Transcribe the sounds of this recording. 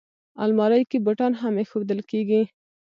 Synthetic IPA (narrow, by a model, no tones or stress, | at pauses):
a̰lmɑɾajkebaʈɑnɦamexod̪əlkeɡi